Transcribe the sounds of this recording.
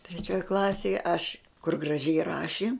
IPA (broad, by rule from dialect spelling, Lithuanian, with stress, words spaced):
tʲrʲɛˈt͡ʃʲoːj ˈklˠɑːsʲeːj ɐʃ kʊr ɡrɐˈʒʲɛɪ ˈrɑːʃʲɪ